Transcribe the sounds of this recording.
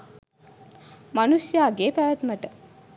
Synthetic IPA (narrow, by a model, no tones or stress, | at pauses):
manusjaːɡeːpæʋæt̪məʈə